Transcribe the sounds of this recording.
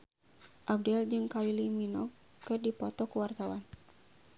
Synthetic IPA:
ʔab̚dɛld͡ʒɨŋkailiminɔ | kɨrdipɔt̪ɔkuwart̪awan

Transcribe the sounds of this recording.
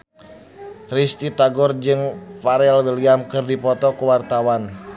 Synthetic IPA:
rist̪it̪aɡɔrd͡ʒɨŋfaɾɛlwiliamkɨrdipɔt̪ɔkəwart̪awan

